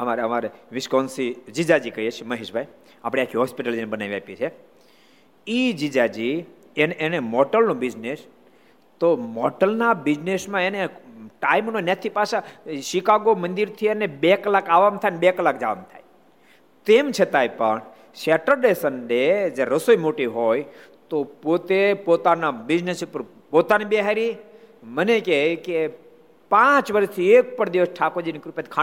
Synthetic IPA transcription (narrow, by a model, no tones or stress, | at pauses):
əmaɾeəmaɾeʋɪʃkɔnsid͡ʒid͡ʒad͡ʒikəiet͡ʃʰeməɦeʃbʱaj | apɽ̃eakʰiɦɔspiʈəld͡ʒinebənaʋiapet͡ʃʰe | id͡ʒid͡ʒad͡ʒi | enenemɔʈəlnõbid͡ʒnes | t̪omɔʈəlnabid͡ʒnesmãeneʈaimnonat̪ʰipaʃaʃikaɡomənd̪iɾt̪ʰienebekəlakaʋamt̪ʰajnebekəlakd͡ʒa̰ʋa̰mt̪ʰa̰j | t̪emt͡ʃʰet̪ajpə̰ɳ | ʃeʈəɾɖesənded͡ʒeɾəsoimoʈiʋɦoj | t̪opot̪epot̪anabid͡ʒnesupəɾ | pot̪anibeɦaɾi | mənekeke | pãt͡ʃʋəɾəst̪ʰiek̚pəɳd̪iʋəsʈʰakod͡ʒinikɾupet̪kʰa